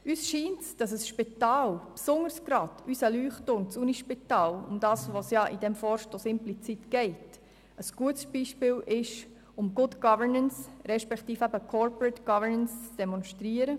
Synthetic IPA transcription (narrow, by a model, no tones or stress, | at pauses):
yːsʃiːntsd̥ɑsəsʃpit̪ɑːlpsʊŋəɾsɡ̥ɾɑd̥ysəlyːχtːʊnt͡suːniʃpitɑːlʊ̰md̥ɑːsʋosjɑʔid̥ɛmfɔːɾʃtosɪmplit͡sitɡ̥ɛɪt | əsɡ̥uətsb̥iːʃpɪːlʔɪʃ | ʊmɡʊdɡ̥ɑvəɹnənsɾɛʃpɛktiːfæbəkʰɔɹpɹətɡ̥ɑvəɹnənst͡sd̥ɛmɔnʃtɾiəɾə